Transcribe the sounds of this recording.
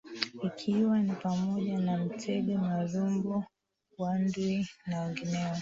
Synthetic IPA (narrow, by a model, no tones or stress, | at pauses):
ikʰiwanipamɔʄanam̩tʰɛɗɛmazumbɔ | wandwinaɛŋɡinɛɛ